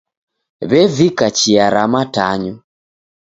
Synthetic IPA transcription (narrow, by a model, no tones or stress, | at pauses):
βɛvikat͡ʃiaɾamataɲu